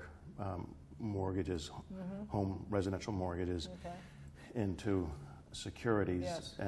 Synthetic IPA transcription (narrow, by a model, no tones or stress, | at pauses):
mɔɹɡɨd͡ʒɪz̥hõʊ̃mɹɛzɨɾɛ̃nʃl̩ˠmɔɹɡɨd͡ʒɪz | ɪ̃ntʰʉ | sɨkʰj̥ʊɹɨɾizʔɨ̃